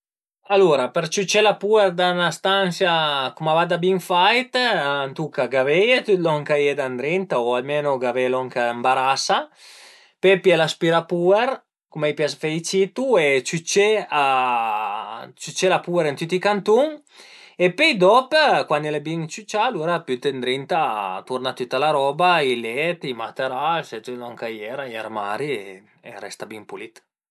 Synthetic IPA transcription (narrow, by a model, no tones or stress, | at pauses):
aluɾapeɾt͡ʃut͡ʃɛlapueɾd̪anast̪ansjakumavad̪abiŋfajt̪ːnt̪ukaɡavɛjet̪yt̪lɔŋkajed̪and̪ɾint̪aoalmenoɡavelɔŋkaembaɾasa | pɛpjɛlaspiɾapuɛɾ | kumɛjpjasfeit͡ʃit̪uet͡ʃut͡ʃea | t͡ʃyt͡ʃɛlapueɾent̪yt̪ːikant̪uŋ | epɛjd̪ɔpkwanɛlebiŋt͡ʃyt͡ʃaluɾapjyt̪end̪ɾint̪at̪uɾnat̪ut̪ːalaɾɔbailɛt̪imat̪eɾalset̪lɔŋkajɛɾajɛɾmaɾie | ḛɾɛ̰st̪abiŋpulit̪